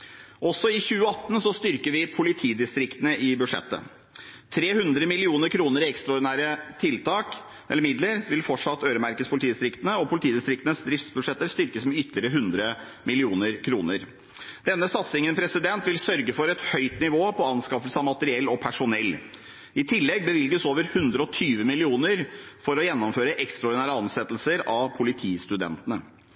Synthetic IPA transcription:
ʔɔsːɔɪçʉːəɑt̪ːn̩sɔst̪ʏɾkəɾʋɪpʰʊlɪt̪ʰiːd̪ɪst̪ɾɪkt̪ənəʔɪbʉd̪ʂɛ̰t̪ːə̰ | t̪ʰɾeːhʉnd̪ɾəmɪlɪuːnəɾkʰɾuːnəɾɪɛkst̪ɾɑɔːɖ̪ɪnæːɾət̪ʰɪlt̪ʰɑːk | ɛ̰lːəɾmɪd̪ləɾʋɪlfɔʈʂɑt̪ːøːɾəmæɾkət̪spʰʊlɪt̪iːd̪ɪst̪ɾɪkt̪ənəɔpʰʊlɪt̪ʰiːd̪ɪst̪ɾɪkt̪ənəsd̪ɾɪft̪sbʉʂɛt̪ːəɾst̪ʏɾkəsmɛʏt̪ːlɪəɾəɦʉnd̪ɾə | mɪlɪuːnəɾkʰɾuːnəɾ | d̪̥ɛnːəsɑt̪sɪŋənpʰɾɛsɪd̪ɛnt̪ʋɪlsœɾɡəfɔɾɛt̪hœʏt̪nɪʋoːpʰɔɑnskɑfəlsəɑʋmɑt̪əɾɪɛlːɔpʰæʂʊnɛlː | ɪt̪ʰɪlːɛɡ̚bəʋɪlɡəsoːʋəɾhʉnd̪ɾəɔt̪ʰyːʋəmɪlɪuːnəɾfɔɾɔjɛnːɔmføːɾəʔɛkst̪ɾɑɔɖɪnæːɾəɑnsɛt̪lsəɾɑʋpʰʊlɪt̪ʰiːst̪ʉd̪ɛ̰nt̪ənə

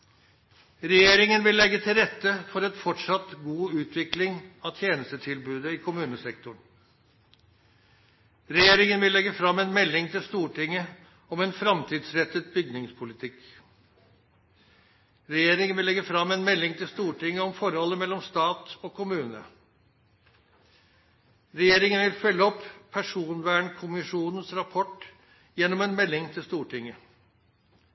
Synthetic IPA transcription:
ɾɛjeːɾɪŋənʋɪlːɛɡːət̪ʰɪlɾɛt̪ːəfɔɾɛt̪fɔʈʂɑt̪ɡuːʉːt̪ʰʋɪklɪŋɑt̪ʰjeːnəst̪ət̪ʰɪlbʉːd̪əɪkʰʊmʉːnəsɛk̚t̪ʊɳ | ɾɛjeːɾɪŋənʋɪlɛɡəfɾɑmːɛnmɛlːɪŋt̪ʰɪlst̪uːʈɪŋːə | ɔmɛnfɾɑmt̪ʰiːd̪sɾɛt̪ət̪̚bʏɡnɪŋspʰʊlɪt̪ʰɪk | ɾɛjeːɾɪŋənʋɪlɛɡəfɾɑmːɛnmɛlːɪŋt̪ʰɪlst̪uːʈɪŋːəɔmfɔɾhɔlːəmɛlːɔmst̪ɑːt̪ɔːkʰʊmʉːnə̰ | ɾɛjeːɾɪŋənʋɪlfœlːəɔpʰːæʂuːnʋæːɳkʰʊmɪʂuːnən̩sɾɑpʰɔʈ | jɛnːɔmɛnmɛlːɪŋt̪ʰɪlst̪uːʈɪŋːə

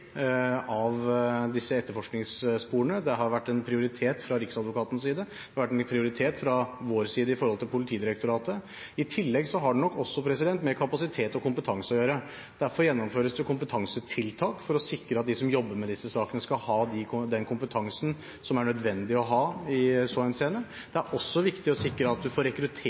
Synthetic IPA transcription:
ɑʋd̪ɪsːəɛt̪ːəɾfɔʂknɪŋsspuːɾəɳəd̪ɛɦɑɾʋæʈːɛnpʰɾɪʊɾɪt̪ʰeːt̪fɾɑɾɪksɑd̪ʋʊkɑːt̪n̩siːd̪ə | d̪ɛhɑɾʋæʈːɛnpʰɾɪʊɾɪt̪ʰeːt̪fɾɑʋoːɾsiːd̪əɪfɔɾhɔlt̪ɪlpʰʊlɪt̪ʰiːd̪ɪɾɛkt̪ʊɾɑːt̪ə | ɪt̪ʰɪlːɛɡsɔɦɑɖɛnɔkːɔsːɔpʰɾɛs̬ɪd̪ɛnt̪mɛɾkʰɑpɑsɪt̪ʰeːt̪ɔkʊmpət̪ʰɑŋsəɔjøːɾə | d̪̥æɾfɔɾjɛnːɔmføːɾəsd̪ɛkʰʊmpət̪ʰɑŋsət̪ʰɪlt̪ʰɑːkfɔɾɔsɪkːɾəɑt̪̚d̪ɪsɔmjɔbːəɾmɛd̪ɪsːəsɑːkənəskɑlhɑːd̪ɪkʰd̪ɛnkʰʊmpət̪ʰɑŋsn̩ | sɔmæɳœd̪ʋɛnd̪ɪɔɦɑːɪsoːɛnseːnəɾ | d̪ɛæɾʔɔsːɔʋɪkt̪ɪɔsɪkːɾəɑt̪̚d̪ʉfoːɾɛkɾʉt̪ʰː

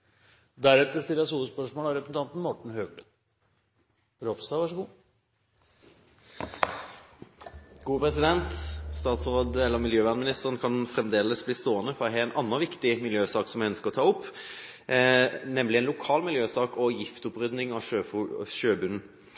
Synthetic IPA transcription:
d̪æɾɛt̪əst̪ɪlɑsuːəspœʂmoːlɑɾɛpɾəsn̩t̪ɑnt̪n̩mɔʈɳ̩høːklə | ɾɔpst̪ɑʋɑʂəɡuː | ɡuːəpʰɾɛsɪd̪ɛnt̪st̪ɑːt̪sʁoːd̪əɛlːəʁmɪljøːʋæʁnəmɪnɪst̪əʁənkʰɑnfʁɛmd̪eːləsbliːst̪oːənəfɔʁɔɦɛɛnʔɑnːəʋɪkt̪ɪmɪljøːsɑːksɔmjæɪœnskəʁɔt̪ʰɑːɔpː | nɛmlɪɛnlʊkʰɑːlmɪljøːsɑːkɔjɪft̪ʊpɾʏd̪nɪŋɑʂøʃøːbʉnn̩

